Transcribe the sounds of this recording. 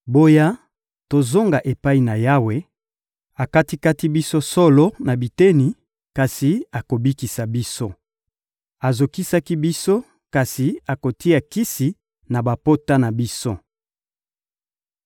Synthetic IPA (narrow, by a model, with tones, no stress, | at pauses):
bo˦ja˦ | to˨zo˦ŋɡa˨ʔe˨pa˦i˨na˨ja˦we˨ | a˨ka˦ti˦ka˦ti˦bi˦so˦so˦lo˦na˨bi˨te˦ni˨ | ka˨si˨a˨ko˨bi˦ki˨sa˨bi˦so˦ | a˨zo˨ki˦sa˦ki˦bi˦so˦ | ka˨si˨a˨ko˨ti˦a˨ki˦si˨ | na˨ba˨po˦ta˦na˨bi˦so˦